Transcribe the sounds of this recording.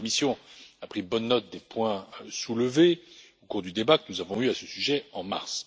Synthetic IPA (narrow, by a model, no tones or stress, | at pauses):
kɔmisjɔ̃apχibɔnːɔt̪̚d̪epwɛ̃sulve | okuʁd̪yd̪ebakənuzavɔ̃yasəsyʒɛɑ̃ma̰ʁs